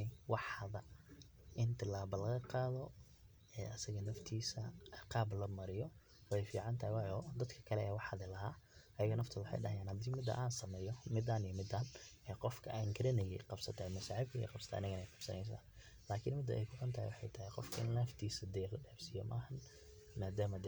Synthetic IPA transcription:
wɑħðɐ | ʔɪnt̪ʰɪlaːbɐlɐɣɐqɑːðɔ | ɛːʔɐsɐɣɐnɐft̪ʰiːsɐqɑːblɐmɐɾɪjɔ | wɛjfiːʕɑnt̪ʰɐhɪwɑjɔd̪ɐd̪kʰɐ̥kʰɐlɛɛːwɑħɐðɪlɐɦaːʔɐjɐɣɐnɐft̪ʰɐwʊħɑ̰jɖɐɦɐjaːnhɐd̪iːmɪd̪ɐ̰ʔaːnsɐmɛːjɔmɪd̪ɐnijɔmɪd̪aːnɛːqɔfkʰɐʔɛjŋɡʰɪɾɐnɛjɛ̰jqɑbsɐt̪ʰɐːjmɐʃaʕɪb̚kʰɐjɛ̰jqɑbsɐ̥t̪ʰa̰ːʔɪnɐɣɐnɛjqɑb̥sɐ̰nɛjs̬a̰ːn | laːkʰɪnmɪd̪ɐ̰ʔɛ̰jkʰʊʕɐnt̪ʰɐhɪjwɑħɑjt̪ʰɐɦɪqɔfkʰɐɪ̰nlaːft̪ʰiːsɐd̪ɛlɐɖɛːbsijɔ̰mɐ̰hɐn | maːd̪aːmɐd̪

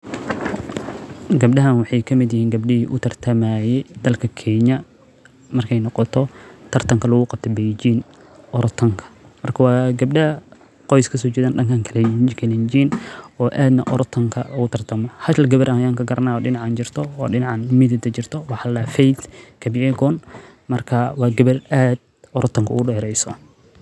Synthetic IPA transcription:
ɡɐb̚ɗɐɦɐnwɑħɑjkʰɐmɪd̪jɐhiːŋɡɐbɗɪhiːʔʊt̪ʰɐrt̪ʰɐmaːjɛjd̪ɐlkʰɐkʰɛːɲɐ | mɐrkʰɛjnɔqɔt̪ʰɔt̪ʰɐrt̪ʰɐŋkʰɐlɐɣʊqɑb̚t̪ʰɔbɛjd͡ʒiːn | ʔɔɾt̪ʰɐŋkʰɐ̥ | mɐrkʰɐwɑːɡɐb̚ɗɐɐ | qɔjskʰɐs̬ɔːt͡ʃɛːðaːnɖɐŋkʰaːŋkʰɐlɛkʰɛlɛnd͡ʒiːnɔːʔaːd̪nɐʔɔɾt̪ʰɐŋkʰɐlʊɣʊt̪ʰɐrt̪ʰɐmɔhɐʃlɡɐβɐɾʔɐhɐjaːŋkʰɐɡɐɾʔɐnaːɔːɖɪnɑʕant͡ʃɪrt̪ʰɔɔːɖɪnɑʕanmɪd̪ɪd̪ɐt͡ʃɪrt̪ʰɔwɑħɑlafɛjd̪kʰɐbɪʕɛɡɔːn | mɐrkʰɐwɑːɡɐβɐrʔaːd̪̥̚ | ɔɾɔt̪ʰɐŋkʰɐʊ̰ʊɗɛːɾɛjsɔ

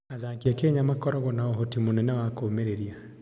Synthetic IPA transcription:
aðaːkiakeɲamakɔɾɔɣɔnaɔɦotimonɛnɛwakoːmeɾeɾia

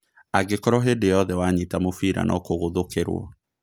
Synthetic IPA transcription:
aɡekɔɾɔɦedejɔðɛwaɲitamofiɾa̰nʔɔ̰koɣoðokeɾwɔ̰

